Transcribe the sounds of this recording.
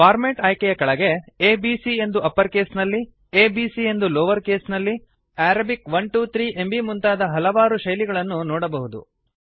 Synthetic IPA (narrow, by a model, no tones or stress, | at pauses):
paːɾmeːʈɐjkɛjɐkɐɭɐɡe̞eːbiːsie̞nd̪uɐpːɐɾkeːsnɐlːi | eːbiːsie̞nd̪uloːʋɐɾkeːsnɐlːi | æːɾɐbikʋɐɳʈuːt̪ɾiːʔembimunt̪aːd̪ɐɦɐlɐʋaːɾuʃɐjliɡɐɭɐnːunɔːɽɐbɐɦud̪ṵ